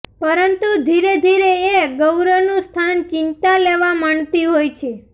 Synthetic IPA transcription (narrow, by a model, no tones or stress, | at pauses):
pəɾənt̪ud̪ʱiɾed̪ʱiɾeeɡəwɾənũst̪ʰant͡ʃɪnt̪aleʋamaɳt̪iɦojt͡ʃʰe